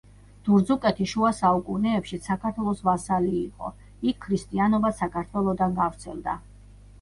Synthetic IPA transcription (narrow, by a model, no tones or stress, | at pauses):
d̪̥uɾd̪zukʼɛt̪ʰiʃuasaukʼunɛːpʃisʰakʰaɾt̪ʰwɛlˠɔsvasaliːqʼɔ̰ | ikʰːɾist̪ʼianɔbasakʰaɾt̪ʰwɛlˠɔd̪anɡavɾt̪sʰɛlˠd̪a̰